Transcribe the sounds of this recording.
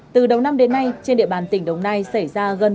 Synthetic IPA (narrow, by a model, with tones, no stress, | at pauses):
t̪ɨ˨˩ɗə˨˩wna˧mɗe˨˦nːa˧jt͡ɕe˧nɗḭ˧˨əɓaː˨˩nt̪ï˧˩ŋ̟ɗə˨˩wŋ͡mnaː˧jsa˧˩jzaː˧ɣə˧n